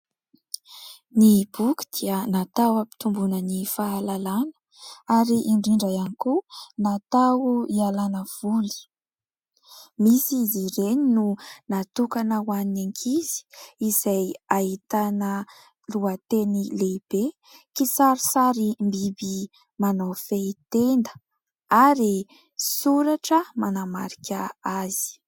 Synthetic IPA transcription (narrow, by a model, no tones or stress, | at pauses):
nib̥uki̥d̪̥iənat̪awapi̥t̪umbunənifaːlalanə̥ | aɾiʔiɳɖ͡ʐiɳɖ͡ʐajanikunat̪awuialanəv̥uli̥ | misiziɾeninunat̪ukanəwanineŋkʰizi̥izajait̪anə | luat̪enileb̥e | kisaɾisaɾimbibi | manafet̪end̪ə̥ | aɾi | suɾaʈ͡ʂəmanama̰ɾikʲaaz̥i̥